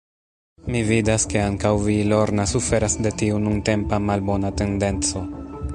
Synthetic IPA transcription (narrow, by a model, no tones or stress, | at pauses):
mividaske̞aŋkawvilo̞ɾnasufe̞ɾasde̞tiununte̞mpamalbo̞nate̞nde̞nt͡so̞